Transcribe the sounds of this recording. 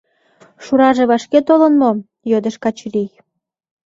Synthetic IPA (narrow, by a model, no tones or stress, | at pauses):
ʃuɾɑʒeβɑʃket̪olənmo | jød̪əʃkɑt͡ɕrij